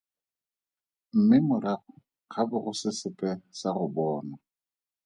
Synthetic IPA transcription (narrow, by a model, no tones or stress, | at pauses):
m̩mɪmʊɾaχʊ | k͡xʰabʊɣʊsɪsɪpʼɛsaɣʊbɔːna